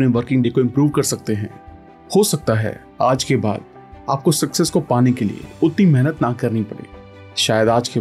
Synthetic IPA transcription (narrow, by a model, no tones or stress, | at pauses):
pneʋəɾkɪ̃ŋɡɖeːkoɪ̃mpɾuːʋkɐɾsɐk̚t̪eɦɛ̰̃ː | hosɐk̚t̪aɦɛ̰ː | aːd͡ʒkeba̰ːd̪ | a̰ːp̚kosɐksɛskopaːnekelḭḛʊt̪nimɛɦnət̪nakɐɾnipɐɽḛː | ʃaːjəd̪aːd͡ʒke